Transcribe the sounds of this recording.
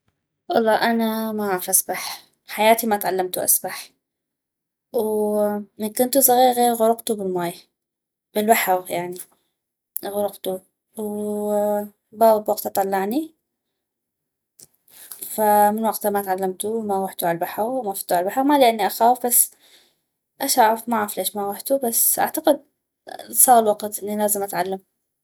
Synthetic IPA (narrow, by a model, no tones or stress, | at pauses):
ʔɑlˤːɑːʔanamaɣaːfʔasbaħ | ħajaːt̪imat̪ʕalːamt̪uʔa̰sbaħ | wwmɪnkʊnt̪usaɣiːɾɣeːɾɣʊɾʊqt̪ubɪlmaːj | b̥ɪlbaħɑɣjaʕni | ɣʊɾʊqt̪u | w | baːbwɑq̚t̪ʔɑt̪ˤɑlːɑʕni | famɪnwɑqt̪amat̪ʕalːamt̪uwmaʊħt̪uaalbaħɑɣwmafit̪uʕaalbaħɑɣmalɪʔanːiʔaxaːwfbasː | ʔaʃʔaʕɾˤɑfmaʕafleːʃmaɣʊħt̪ubasːʔa̰ʕt̪aqɪd̪̚ | sˤɑːɣɪlwɑqt̪ʔɪnːilaːzɪmʔat̪ʕalːam